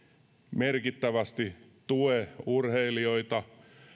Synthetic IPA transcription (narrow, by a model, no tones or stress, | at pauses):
merkit̪ːæʋæst̪it̪ueurheilioit̪ɑ